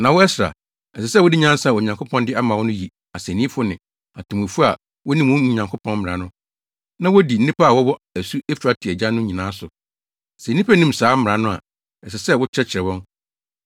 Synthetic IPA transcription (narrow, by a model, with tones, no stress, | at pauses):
nã˨wɔ˦ɛ˦sɾa̰˨ | ɛ˨sɛ˨sɛ˦wʊ˦di˦ɲ˦ã˦sa˦˨wɔ˨ɲã˨ŋkʰʊ˦pʰɔ̃˦ndɪ˦a˦mã˨wɔ˦nʊ̃˦ji˨ | a˨sɛ˨nĩ˦fʊ˦nɪ̃˨ | a˨tʰu˨m˨ʊ̃˨fu˦a˨ | wɔ˦nĩ˦m˨ʊ̃˦mũ˨ɲã˨ŋkʰo˦pʰɔ̃˦nm̩˦mɪ˨ɾã˨nʊ̃˦ | nã˦wɔ˦di˨n̩˦ĩ˦pʰa˦a˨wɔ˦wɔ˦æ˨su˦e˦fu˨ɾa˦tʰɪ˨ɛ˨d͡ʑã˦nːʊ̃˦ɲĩ˨nãː˦sʊ˨ | sɛ˨˦nĩ˦pʰæ˦nĩ˦msaː˨˦m̩˦mɪ˨ɾã˨nʊ̃˦a̰˨ | ɛ˨sɛ˨sɛ˦˨wʊ˦t͡ɕʰɾɛ˦t͡ɕʰɪ˨ɾɛ˨wɔ̃˦n